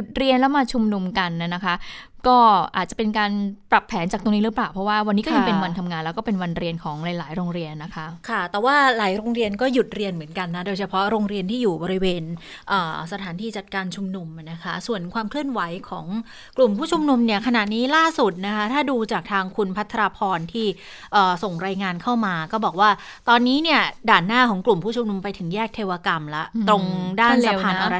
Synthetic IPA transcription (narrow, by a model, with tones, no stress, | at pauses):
u˨˩t̪̚ɾi˧ənlɛ˦˥wmaː˧t͡ɕʰu˧mnu˧mka˧nːa˧˩na˦˥kʰa˦˥kɔː˥˩ʔaː˨˩t̪̚t͡ɕa˨˩pe˧nkaː˧npɾa˨˩pʰːɛː˩˦nt͡ɕa˨˩k̚t̪o˧ŋniː˦˥ɾɯ˦˥paː˨˩wpʰɾɔ˦˥waː˥˩wa˧nːiː˦˥kɔ˥ja˧pe˧nwa˧nt̪ʰa˧mŋaː˧nlɛː˦˥wkɔː˥˩pe˧nwa˧nɾi˧ənkʰɔː˩˦ŋla˨˩˦jlaː˩˦jɾoː˧ŋɾi˧ənːa˦˥kʰa˦˥kʰa˥˩t̪ɛː˨˩waː˥˩laː˨˩˦jɾoː˧ŋɾi˧ənkɔː˥˩ju˨˩t̪̚ɾi˧ənmɯ˩˦ənka˧nːa˦˥doː˧jt͡ɕʰa˧pʰɔ˦˥ɾoː˧ŋɾi˧ənt̪ʰiː˥˩juː˨˩bɔː˧ɾi˦˥weː˧n | ʔəː˨˩sa˧t̪ʰaː˩˦nt̪ʰiː˧t͡ɕa˨˩t̪̚kaː˧nt͡ɕʰu˧mnu˧m˩na˦˥kʰa˦˥su˨˩ənkʰwaː˧mkʰlɯ˥˩ənwa˩˦jkʰɔː˩˦ŋ | klu˨˩mpʰuː˥˩t͡ɕʰu˧mnu˧mni˥˩əkʰa˧na˨˩t̪̚niː˦˥laː˥˩su˨˩t̪̚na˦˥kʰa˦˥t̪ʰaː˥˩duː˧t͡ɕaː˨˩k̚t̪ʰaː˧ŋkʰu˧npʰa˦˥t̪ʰːa˧ɾaː˧pʰɔː˧nt̪ʰiː˥˩ | ʔɤː˨˩so˨˩ŋɾaː˧jŋaː˧nkʰa˥˩wmaː˧kɔː˥˩bɔː˨˩k̚waː˥˩ | t̪ɔː˧nːiː˦˥ni˥˩ədaː˨˩nːaː˥˩kʰɔː˩˦ŋklu˨˩mpʰuː˥˩t͡ɕʰu˧mnu˧mpa˧jt̪ʰɯ˩˦ŋjɛː˥˩k̚t̪ʰeː˧waː˧ka˧mlɛ̰˦˥ʔt̪ɾo˧ŋdaː˥˩nsa˧pʰːaː˧nʔaː˧ɾa˦˥